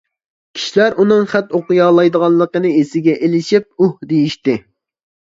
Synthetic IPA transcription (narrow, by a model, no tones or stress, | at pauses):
kʲʰi̥ʃilæɾunɨŋχæt̪oqʊjɑːlˠɑjd̪əʁɑnˠːəqənɨesɪɡʲɛʔelɪʃip̚uhd̪ejiʃt̪ɪ